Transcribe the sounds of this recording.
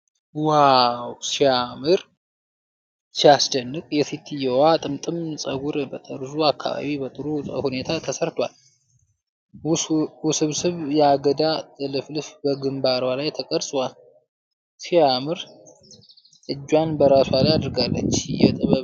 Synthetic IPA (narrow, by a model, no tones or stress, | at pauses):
wawsijamɨɾ | siasd̪ənːɨkʼjɛfit̪ʰɨjɛwat̪ʼɨmt̪ʼɨmsʼəɡuɾbət̪ʼəɾzuakːa̰βa̰βibət̪ʼɨɾuəhune̞t̪ʰat̪ʰəsəɾt̪ʰʷwal | wʊsɨβsɨβjɛaɡəd̪at̪ʼɨlɨflɨfbəɡɨmbaɾwalajt̪ʰəkʼəɾsʼwal | sijamɨɾ | ɨd͡ʒːwanbəɾaswalajad̪ɨɾɡalːə̰t͡ʃːjɛ̰t̪ʼɨβə